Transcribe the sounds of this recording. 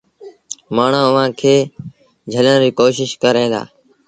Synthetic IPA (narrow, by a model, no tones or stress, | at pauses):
maːɳ̤ãːʊʋ̤ãːkʰeː | d͡ʒʱələnɾiːkoːʃɪʃkəɾẽːnd̪a̰ː